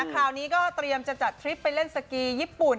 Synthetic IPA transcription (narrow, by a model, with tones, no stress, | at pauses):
kʰaː˨˩wniː˦˥kɔː˥˩t̪ɾi˧əmt͡ɕa˨˩t͡ɕa˨˩t̪ʰːɾi˦˥pːa˧jle˥˩nsa˧kiː˧jiː˥˩pu˨˩n